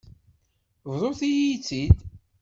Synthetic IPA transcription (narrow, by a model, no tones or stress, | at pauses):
vðˤoθijit͡sːid̪